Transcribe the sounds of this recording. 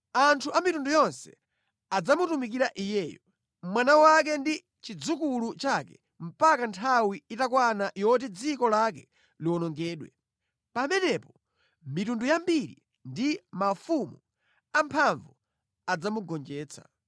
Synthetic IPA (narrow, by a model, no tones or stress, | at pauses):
antʰuʔamitundujɔnsɛ | ad͡zamutumik̬iɾaʔijɛːjɔ | mwanawakɛndi | t͡ʃid͡zukulut͡ʃakɛ̰ | m̩pakantʰawiitakwanaʔjɔt̬ɛd͡zikɔlak̬ɛ | liwɔnɔŋɡɛːɗwɛ̰ | pamɛnɛpɔ | mitundujambiɾḭ | ndimafumu | ampʰaɱvu | ad͡zamuɡɔnd͡ʒɛːt͡sʰḁ̰